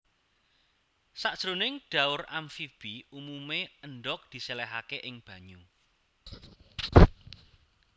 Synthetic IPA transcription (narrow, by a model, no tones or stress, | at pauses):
saʔd̥ʒ̥ɾonɪŋɖ̥a̤ʊramfib̥iumumeəɳɖɔk̚d̪̥i̤selɛɦakeʔɪŋb̥ä̤ɲu